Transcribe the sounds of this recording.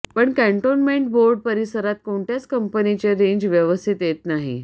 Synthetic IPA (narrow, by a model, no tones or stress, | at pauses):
pəɳkɛɳʈonmeɳʈ̚boɾɖ̚pəɾisəɾat̪̚koɳʈ̪jat͡skəmpənit͡ɕeɾeɲd͡ʑʋjəʋəst̪ʰit̪jet̪naɦḭ